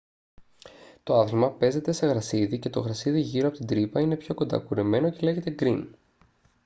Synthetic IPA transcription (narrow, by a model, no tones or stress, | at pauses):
t̪o̞ɐðilmɐpe̞ze̞t̪e̞se̞ɣɾɐsiðice̞t̪o̞ɣɾɐsiðiʝiɾopot̪ind̪ɾipɐine̞pço̞ko̞nd̪ɐ̰kuɾe̞me̞no̞ce̞le̞ʝet̪e̞ɡɾin